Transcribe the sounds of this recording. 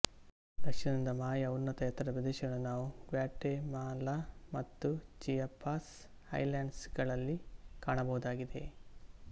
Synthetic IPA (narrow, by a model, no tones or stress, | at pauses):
d̪̥ɐkʂɐnɐnind̪ɐmaːjɐunːɐt̪ɐjɐt̪ːɐɾɐpɾɐd̪eːʃɐɡɐɳunaːʋuɡʋaːʈːemaːlamɐt̪ːud͡ʒijɐpːaːs | hɐ̰jlaːɳɖsɡɐɭɐlːikaːɳɐbɐɦud̪aːɡid̪e̞̰